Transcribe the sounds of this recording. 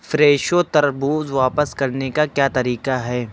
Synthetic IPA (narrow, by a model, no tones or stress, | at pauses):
fɾeːʃot̪ɐɾbuːzʋaːpəskɐɾnekakjaːt̪ɐɾiːqaɦɛː